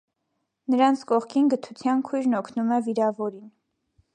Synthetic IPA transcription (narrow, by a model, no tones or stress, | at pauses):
nəɾɑnt͡sʰkɔχkʰinɡət̪ʰut͡sʰjɑnkʰujɾnɔkʰnumɛviɾɑvɔɾin